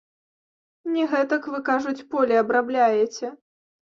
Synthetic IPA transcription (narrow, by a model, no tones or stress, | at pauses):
nʲɛɣɛt̪ɐkvɨkaʐut͡sʲpɔlʲɛɐbɾablʲajɛt͡sʲɛ